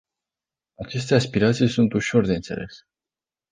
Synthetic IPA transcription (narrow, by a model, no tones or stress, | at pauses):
at͡ʃe̞st̪e̞aspiɾat̪sijsunt̪uʃo̞rd̪e̞ɨnt̪se̞lʔe̞̰s